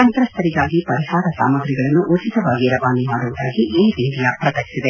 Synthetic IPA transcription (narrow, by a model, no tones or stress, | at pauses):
ɐnt̪ɾɐst̪ʰɐɾiɡaːɡipɐɾihaːɾɐsa̰ːmɐɡɾiɡɐɭɐnːuʔut͡ʃit̪ɐʋaːɡiɾɐʋaːnimaːɽuʋud̪aːɡiʔiːɾiːlijapɾɐt̪ɐksid̪e